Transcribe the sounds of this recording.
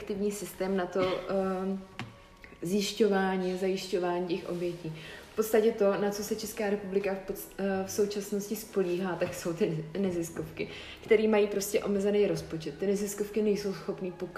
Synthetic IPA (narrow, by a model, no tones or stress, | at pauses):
kt̪ɪvɲiːsɪst̪ɛːmnat̪o̞ | zjɪʃco̞vaːɲiːazajɪʃco̞vaːɲiːcɛxʔo̞̰bjɛciːfpo̞t̪st̪acɛt̪o̞nat͡so̞sɛt͡ʃɛskaːɾɛpublɪka | fso̞wt͡ʃasnoscɪspo̞liːɦaːt̪akso̞wt̪ɪnɛzɪsko̞fkɪ | kt̪ɛɾiːmajiːpɾo̞scɛʔo̞mɛzɛnejɾo̞spo̞t͡ʃɛt̪ːɪnɛzɪsko̞fkɪnɛjso̞wsxo̞pniːpok